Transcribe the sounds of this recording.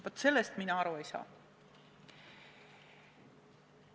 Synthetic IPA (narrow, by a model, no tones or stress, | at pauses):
vɑt̪se̞lːest̪minɑɑɾuejsɑ̰ː